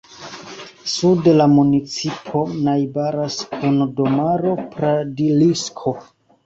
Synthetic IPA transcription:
sudelamunit͡sipʰo̞najbaɾaskʰundo̞maɾo̞pɾadiliskʰo̞

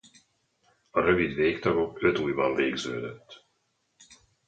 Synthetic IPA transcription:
ɒɾø̞vid̪veːkt̪ɒɡo̞kø̞t̪uːjbɒɱveːɡzø̰ːd̪øt̪ː

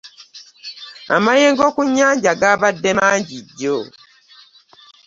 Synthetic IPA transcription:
a̰majeːŋɡoːkuɲːaːɲɟaɡaːβadːemaːɲɟiɟːo

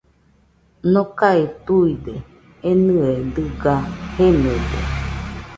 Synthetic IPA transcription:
nõkaet̪uid̪e | enɨed̪ɨɡahened̪ḛ

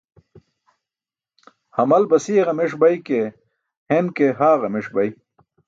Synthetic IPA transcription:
hɐmɐlbɐsiʁɐmeʂ̬bɐjke | henkeɦaːɣɐmeʂbɐj

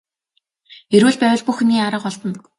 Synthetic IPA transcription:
eɾwɘːɮpæːwə̆ɮpuxniːaɾə̆qɔɮp̪ɞ̆n

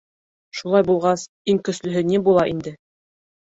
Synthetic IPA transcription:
ʃulˠɑjbulˠʁɑs | iŋkɵ̆slɵ̆ɦɵnibulˠɑʔind̪ɘ

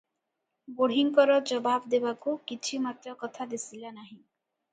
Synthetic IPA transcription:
boɽɦiŋkɔɾɔd͡ʒɔbabd̪ebakukit͡ʃʰimat̪ɾɔkɔt̪ʰad̪esilanaɦĩ

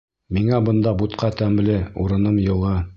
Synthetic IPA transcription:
miŋæbɤ̆nd̪ɑbut̪qɑt̪æmlɘuɾɤ̆nɤmjɤ̆lˠɤ

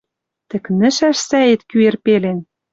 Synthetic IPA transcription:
t̪ɘ̆knɘ̆ʃæʃsæet̪kyerpelen

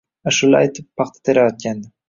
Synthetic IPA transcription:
aʃʊlajt̪ʰɪpːʰɑχt̪ʰḁt̪ʰeɾajɒt̪̚kʲand̪ɪ

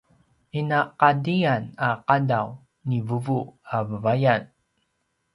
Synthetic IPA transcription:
inaqadianaqadaw | nivuvuavəvajan

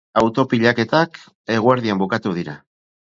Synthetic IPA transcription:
awt̪o̞piʎake̞t̪ak | e̞ɣ̞ueɾðiambukat̪uðiɾa̰

